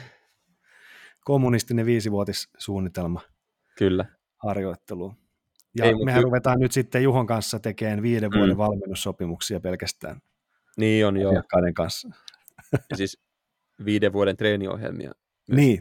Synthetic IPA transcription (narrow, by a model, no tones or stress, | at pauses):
komːunist̪ineʋiːsiʋuot̪issuːnːit̪elmɑ | kylːæ | hɑrjoit̪ːeluː | jɑmehærruʋet̪ɑːnnyt̪sit̪ːejuɦoŋkɑnsːɑt̪ekeːnʋiːdeʋʋuodɾeʋʋɑlminːussopimuksiɑpelkæst̪æ̰ːn | niːonjoːɑkːɑineŋkɑnsːɑ | sis | ʋiːdeʋʋuoɾent̪reːnio̰hjḛlmḭɑ̰ | niː